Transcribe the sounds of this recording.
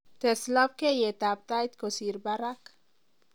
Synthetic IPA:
t̪eslap̚kejet̪ap̚t̪ajt̪kosiɾbaɾak

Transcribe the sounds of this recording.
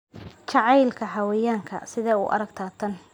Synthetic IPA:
t͡ʃɑʕɑjlkʰɐħɑwɛjaːŋkʰɐ̰sɪðɛːʊ̰ʔɐ̰ɾɐɡt̪ʰaːt̪ʰɐn

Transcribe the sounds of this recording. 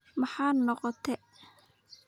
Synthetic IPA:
mɑħɑːnɔqɔt̪ʰɛ

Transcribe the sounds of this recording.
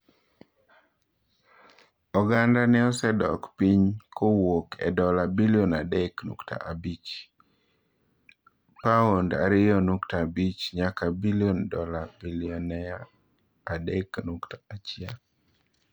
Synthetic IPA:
ɔɡandanɪɔsɛdɔ̰kpiɲkʰowokʰɛ̰dɔlabilionadɛknṵktʰa̰ʔabit͡ʃ | paonda̰ɾɪjɔnuktabit͡ʃɲakabiliondɔlabiliɔnːɛa | adɛknuktḁat͡ʃɪa

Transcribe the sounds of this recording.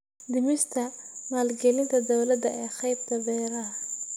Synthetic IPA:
d̪ɪmɪst̪ʰɐmaːlɡɛlɪnt̪ʰɐd̪ɔwlɐd̪ɐɛːχɛjb̚d̪ɐβɛːɾɐɦɐ

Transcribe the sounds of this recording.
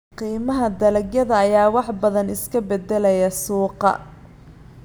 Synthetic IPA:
qiːmɐɦɐd̪ɐlɐɡjɐðɐːjaːwɑħbɐðɐnɪskʰɐbɛd̪ɛlɛjɐsuːqɑ̰

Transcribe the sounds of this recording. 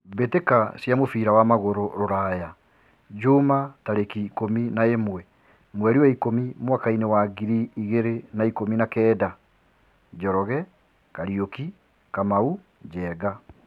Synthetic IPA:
betekasjamofiːɾawamaɣoɾoɾoɾaja | d͡ʒomataɾekikominaemwɛ | mwɛɾiwaikomimwakainewaɡiɾiːɣeɾenaikominakɛːda | d͡ʒɔɾɔɣɛ | kaɾioki | kamau | d͡ʑɛːɡa

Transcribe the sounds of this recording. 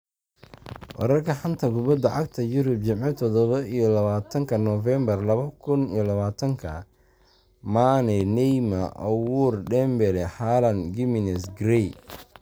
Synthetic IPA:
wɑ̰ɾɐrkʰɐħɐnt̪ʰɐɡʊβɐd̪ɐʕɑɡ̚t̪ʰɐjʊɾʊb̚t͡ʃɪmʕɪt̪ʰɔd̪ɔβɐʔijɔlɐβaːt̪ʰɐŋkʰɐnɔfɛmbɐrlɐβɐkʰʊnijɔlɐβaːt̪ʰɐŋkʰɐ̰ | maːnɛnɛjmɐʔɐwuːrɖɛmbɛlɛħaːlɐnɡɪmɪnɛsɡɾɛj

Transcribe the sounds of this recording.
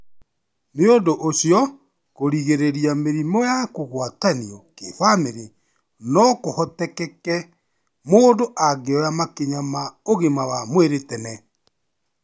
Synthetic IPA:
neondoʔosjɔ | koɾiɣeɾeɾijameɾimɔjakoɣwataniɔkḛfameɾe | nɔkohɔtɛkɛkɛ | moːndoʔaɡeɔɾamakeɲamaoɣemawamweɾetɛnɛ

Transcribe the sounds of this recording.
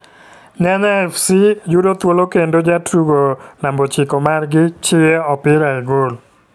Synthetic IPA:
ɲaɲaɛfsijudot̪wolokendod͡ʒatɾuɡonambɔt͡ʃɪkɔmarɡɪt͡ʃɪeɔpɪɾaɛɡol

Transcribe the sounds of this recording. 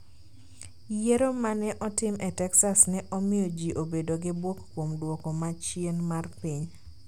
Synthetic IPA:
jeɾomanɛʔɔtɪmɛtɛksasnɛʔɔmɪjod͡ʒiʔobedoɡɪbwokːwomdwɔkomat͡ʃienmarpiɲ

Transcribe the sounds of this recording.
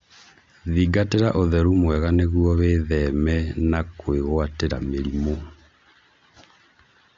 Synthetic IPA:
ðiɡateɾaʔoðɛɾumwɛɣaneɣuɔβeːðɛmɛnakweɣwateɾa̰meɾimo

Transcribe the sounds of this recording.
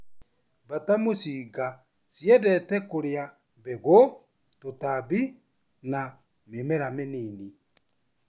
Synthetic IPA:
βatamosiːɡa | sjɛdɛtɛkoɾea | βeɣo | totaβi | na | memɛɾameniːni

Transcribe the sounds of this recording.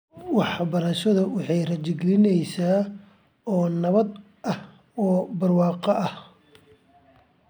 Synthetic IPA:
wɑħbɐɾɐʃɐðɐwɑħɑjrɐt͡ʃɪɡlɪnɛjsaː | ɔːnɐβɐd̪ | ʔɐh | ɔːbɐrwɑːqɐʔɐh

